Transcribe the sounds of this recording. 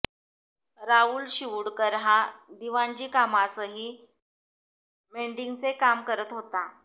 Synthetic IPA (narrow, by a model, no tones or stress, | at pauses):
ɾauːlɕiʋɽkəɾɦad̪iʋaɲd͡ʑiːkamasəɦiː | meɳɖiŋɡt͡sekamkəɾət̪ɦot̪a